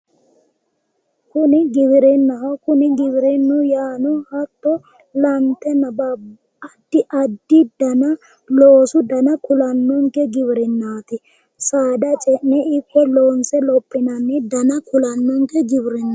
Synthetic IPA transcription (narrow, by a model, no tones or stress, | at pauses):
kʊnɪɡɪβɪɾɛnːɐɦɐkʊnɪɡɪbɪɾɛnːʊjaːnʊhɐt̪ːɔ | lɐnt̪ːɛnːɐbab | ɐd̪ːɪʔɐd̪ːɪd̪ɐnɐ | loːsʊd̪ɐnɐkʊlɐnːɔŋkɛɡɪbɪɾɛnːaːt̪ɪ | saːd̪ɐt͡ʃʼɛʔɛɪpːɛloːnsɛlɔpʼːɪnɐnːɛd̪ɐnɐkʊlɐnːɔŋkɛɡɪbɪɾɪnːɐ